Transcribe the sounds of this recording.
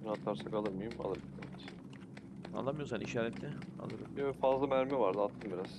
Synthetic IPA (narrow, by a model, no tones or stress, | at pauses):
nat̪ʰːaɾsakalˠɯɾmɯjuma̰lˠɯɾbd̪emit͡ʃ | a̰nːamɯjoɾs̬anʔiʃaːɾɛt̪lʲɛa̰lˠɯɾɯmøfazlˠamæɾmɛvaɾd̪ɯat̪ʰːɯnbiɾaz̥